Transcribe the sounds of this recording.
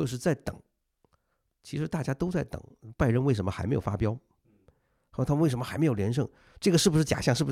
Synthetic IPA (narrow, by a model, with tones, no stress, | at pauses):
t͡ɕjo˧ʊʂɻ̩˥˧t͡sa˥˩ɪt̪ɤ̰˨˩˦ŋ | t͡ɕʰi˧˥ʂɻ̩˧˥t̪a˥˩t͡ɕja˥t̪o˥ʊt͡sa˥˩ɪt̪ɤ̰˨˩˦ŋpa˥˧ɪɻə˧nwe˥˩ɪʂə˧˥nmə˧xm˧˥jo˨˩fa̰˥pjɑ˥ʊ˧˥˧ | t̪ʰwe˥˩ɪʂə˧˥mə˧xa˧˥ɪm˧˥jo˨˩ljɛ˧˥nʂ̬ɤ˥˧ŋ | ʈ͡ʂɤ˥˩ɡə˩ʂɻ̩˥˩bu˩ʂɻ̩˥˩t͡ɕja̰˨˩ɕjɑ˥ŋʂ̩˥˩bu˩ʂ